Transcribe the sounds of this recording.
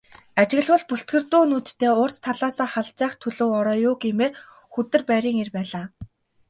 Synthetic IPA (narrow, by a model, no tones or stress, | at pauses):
at͡ɕɪ̆ɣɘ̆ɮwə̆ɮpuɬt̪̚ɡɘ̆rt̪ʊːnuːt̪t̪ʰːeːʊːr̥t͡ɕt̪ʰːaɮaːsaːrχaɮt͡sæːχt̪ʰɵɮŏwɔɾɔːjʊːɡiːmeːr | xut̪ɘ̆rpæɾʲiːŋirpæːɮaː